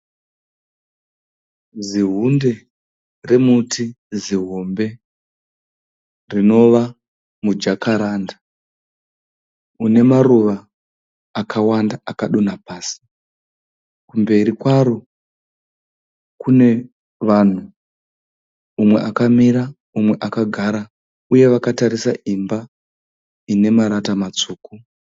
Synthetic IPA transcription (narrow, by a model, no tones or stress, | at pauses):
ziɦunde̞ | re̞mutʰi | ziɦombe̞ | rino̞ʋa | mud͡ʒakaɾaːnda | une̞maruʋaː | kawandaakaɗunapaːsi̥ | kumbe̞ɾikwaɾo | kune̞ | ʋan̤u | umwe̞ʔakamiɾa | umwe̞ʔakaɡʱaɾa | uje̞ʋakataɾisa̰ʔimba | ine̞maɾatamat͡suːku